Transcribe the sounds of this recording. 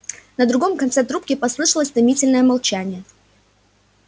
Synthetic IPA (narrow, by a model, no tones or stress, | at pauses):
nəd̪ɾʊɡo̞mkɐnt̪sɛt̪ɾup̚kʲɪpɐslˠɨʂəlˠəsʲt̪ɐmʲitʲɪlʲnəjəmɐlˠt͡ɕænʲɪjə